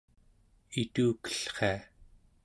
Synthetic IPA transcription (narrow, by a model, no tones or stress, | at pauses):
it̪uːkə̥ɬχea